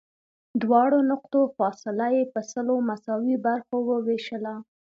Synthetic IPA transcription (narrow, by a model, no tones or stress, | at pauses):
d̪wɑɽonʊqt̪ofɑsɪlajepəsəlomasɑwibaɾxowəweʃəla